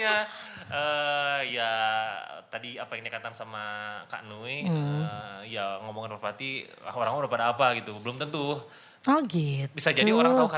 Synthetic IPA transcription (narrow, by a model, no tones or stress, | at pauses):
aəja̰ | t̪adiapajaŋnakat̪aŋsamaka̰ʔnuiəjaŋomoŋanpərpat̪i | aoɾaŋdapadaːpaɡit̪ubəlʊmt̪ənt̪u | ɔɡibisad͡ʒadioɾaŋt̪auka